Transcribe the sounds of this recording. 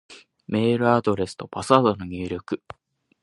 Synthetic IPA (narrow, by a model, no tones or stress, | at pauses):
me̞ːɾɯ̟ad̪o̞ɾe̞sɨ̥t̪o̞basaːd̪onoɲʲiːɾʲokɯ̟